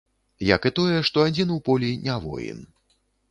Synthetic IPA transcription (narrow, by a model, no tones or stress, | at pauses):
jɐ̰kɨt̪ɔjɛʂt̪ɔad͡zʲinupɔlʲinʲavɔ̰jḭn